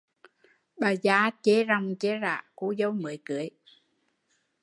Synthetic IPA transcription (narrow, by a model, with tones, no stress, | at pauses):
ɓaː˨˩zaː˧˦t͡ɕe˧˦za˨˩wŋ͡mt͡ɕe˧˦za̰ː˧˨ku˧˦zə˧˦wmɨ˨əjkɨ˨˦əj